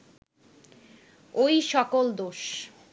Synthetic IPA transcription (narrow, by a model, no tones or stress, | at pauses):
ojʃɔkold̪oʃ